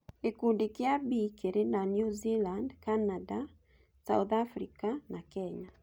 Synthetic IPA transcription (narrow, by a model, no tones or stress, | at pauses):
ekundikeabikeɾenanjuzilandkanada | sa̰uðafɾikanakɛɲa